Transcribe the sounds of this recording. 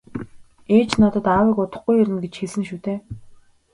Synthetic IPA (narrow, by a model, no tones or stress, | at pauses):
eːt͡ɕnɔt̪ə̆t̪aːwiːkʊt̪ə̆χɡujɵɾɘ̆nɡet͡ɕxeɮsɘ̆ŋʃuːt̪eː